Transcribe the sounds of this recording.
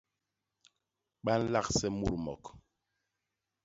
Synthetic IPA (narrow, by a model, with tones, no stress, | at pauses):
ɓa˦n̩˦la˦˨ksɛ˦mu˦˨ɾmɔ̰˨k